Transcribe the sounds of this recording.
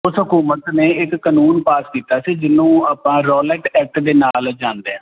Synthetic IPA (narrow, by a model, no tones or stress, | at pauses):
ʊsɦʊkuːmət̪neːɪkːənuːnpaːskiːt̪aːsiːd͡ʒɪnːõːaːpãːɾɔːlɛːʈɛːk̚ʈd̪eːnaːld͡ʒãːnd̪eːɦãː